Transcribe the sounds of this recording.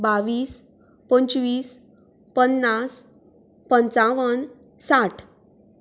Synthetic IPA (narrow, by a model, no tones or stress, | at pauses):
baʋiːs | pəɲt͡ɕʋiːs | pənːas | pənt͡saʋən | saʈʰ